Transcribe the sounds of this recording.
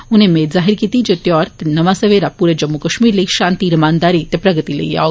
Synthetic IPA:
unẽmeːzaːɦiɾkit̪id͡ʒet̪jɔːɾt̪enɐʋasəʋeɾapuɾed͡ʒɐmːukəʃmiːɾliʃãːnt̪iɾmaːnd̪aːɾit̪epɾɐɡət̪ilḛia̰o

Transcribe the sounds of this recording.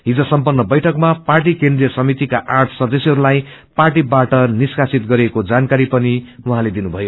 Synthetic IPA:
ɦid͡zʌsʌmpʌnːʌbʌjʈʰʌkmaparʈ̬ikend̪rijʌsʌmit̪ikaʔarʈʰsʌd̪ʌsjɦʌɾulaj | parʈibaʈʌniskasit̪̚ɡʌɾekod͡zankaɾipʌniwuɦãled̪inubʱʌjo

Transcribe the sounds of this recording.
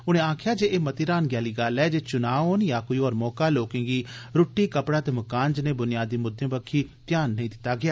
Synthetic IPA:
ʊnẽːãːkʰjaːd͡ʒeːʔeːmət̪iːɾaːnɡjaːliːɡaːlɛːd͡ʒeːt͡ʃʊnaːoːnjaːkoːiːɔːɾmɔːkaːloːkẽːɡiːɾʊʈːiːkəpɽaːt̪eːməkaːnd͡ʒnẽːbʊnɪjaːd̪iːmʊd̪ʱːẽːbəkʰiːt̪jaːnːəĩːd̪ɪt̪ːaːɡɪjaː

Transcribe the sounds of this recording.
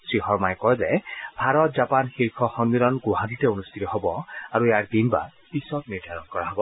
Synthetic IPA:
sɹixɔɹmajkɔjzɛbʱaɹɔt̚zapanxiɹkʰɔxɔnbiɾɔnɡoɦaditɛonust̪ʰitɔɦɔbɔaɹujaɹd̪inba̰pisɔtniɹd̪ʱaɹɔnkɔɹaɦɔbɔ

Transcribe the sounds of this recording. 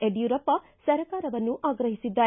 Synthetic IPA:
eɖjuɾɐpːɐ | sɐɾɐkaːɾɐʋɐnːuʔaːɡɾɐɦisid̪ːaː

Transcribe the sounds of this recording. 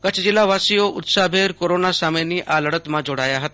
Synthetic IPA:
kət͡ʃʰd͡ʒɪlːaʋasijoʔʊt̪sabʱeːɾkoɾoːnasameniʔaləɽət̪mãd͡ʒoɽaːjaɦət̪a

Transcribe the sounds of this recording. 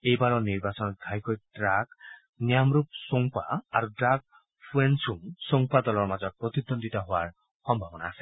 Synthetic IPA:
ejbaɹɔniɹbasɔnɔt̚ɡʱajkɔjdɹak | nijamɾup̚soŋpa̰aɹudɹaɡ̚ | pʰuensuŋsoŋpadɔlɔɹmazɔt̚pɹɔt̪id̪ɔnditaɦʊwaɹ | xɔmbʱabɔnaːsɛ̥

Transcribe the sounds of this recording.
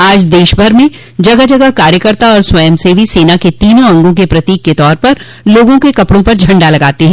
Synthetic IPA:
aːd͡ʒd̪eːʃbʱɐɾmẽ | d͡ʒɐɡəɦd͡ʒɐɡəɦkaːɾjəkəɾt̪aɔːɾswɐjəmsebʱiseːnaket̪iːnõɐ̃ŋɡõkepɾɐt̪iːkːet̪ɔːɾpɐɾ | loːɡõkekɐpɽõpɐɾd͡ʒʱɐ̃ɳɖalɐɡaːt̪eɦɛ̃ː

